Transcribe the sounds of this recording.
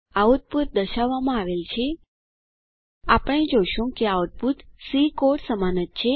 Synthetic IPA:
aʋəd̪̚but̪̚d̪əʃaʋːamãaʋelt͡ʃʰe | apəɽ̃ed͡ʒoʃũkeaʋəd̪̚bʱut̪sikoɽsəmanət̪̚t͡ʃʰe

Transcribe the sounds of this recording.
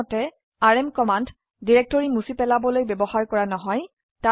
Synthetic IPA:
ɔtɛ | aɹɛmkɔmand | diɹɛk̚tɔɹimusipɛlabɔlojbɛbɔxaɹkɔɹanɔɦɔj | ta

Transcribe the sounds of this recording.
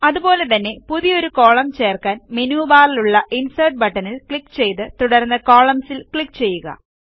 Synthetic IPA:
ɐðubo̞ːle̞t̪ɐnːe̞puðijo̞ɾuko̞ːɭɐmt͡ɕe̞ːrkaːnmenuːbaːriluɭːɐʔinsɐʈ̚bɐʈːɐnilkɭikːt͡ɕe̞jt̪ɨt̪uɽɐrnːɐko̞ːɭɐmsilkɭikːt͡ɕe̞jːuɣɐ̰

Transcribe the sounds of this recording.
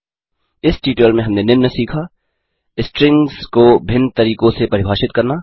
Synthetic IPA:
ɪsʈiːʈəlmẽɦɐmnenɪnːəsiːkʰaː | ɪsʈɾɪ̃ŋɡzkobʱɪnːt̪ɐɾiːkõsepɐɾɪbʱaːʃɪt̪̚kɐɾnaː

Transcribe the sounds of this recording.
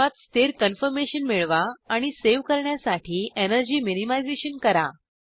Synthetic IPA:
at̪st̪eɾkənfəɾmeɕənmiɭʋaaɽ̃iseʋkəɾɳjasaʈʰiːʔenəɾd͡ʑiːminimajd͡zeɕənkəɾa

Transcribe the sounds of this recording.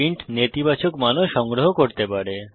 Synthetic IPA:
iɳʈnet̪ibat͡ɕokmanoʃɔŋɡɾoɦokoɾt̪epaɾe

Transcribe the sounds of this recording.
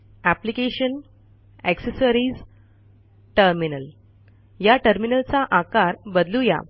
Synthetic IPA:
æplikeɕən | eksəsəɾiːd͡z | ʈəɾminəl | jaʈəɾminəlt͡saʔakaɾbəd̪luja̰

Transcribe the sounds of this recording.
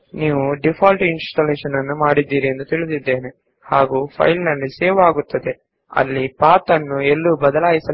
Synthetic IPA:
niːʋuɖipʰaːlʈinsʈɐleːʃɐnːɐnːumaːɽid̪ːiːɾiend̪ut̪iɭisid̪ːe̞ːne | haːɡuːpʰɐ̰jlnɐlːiseːʋaːɡut̪ːɐd̪e̞ | ɐ̰lːipaːt̪ɐnːuelːubɐd̪ɐlaːjisɐ

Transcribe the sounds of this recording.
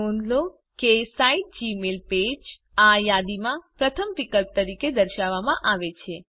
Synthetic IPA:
õnd̪lo | kesaiʈ̚d͡ʒimelped͡ʒ | ajad̪imãpɾət̪ʰəmpikəlp̚t̪əɾiked̪əɾʃaʋːamãʔaʋet͡ʃʰe

